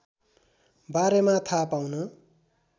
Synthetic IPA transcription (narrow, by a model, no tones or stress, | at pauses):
baɾemat̪ʰapawnʌ